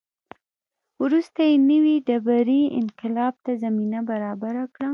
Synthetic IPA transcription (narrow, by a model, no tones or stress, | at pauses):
wɾust̪ajenəwiɖabaɾiɪ̰nqɪlɑb̚t̪azaminabaɾɑbaɾakɽa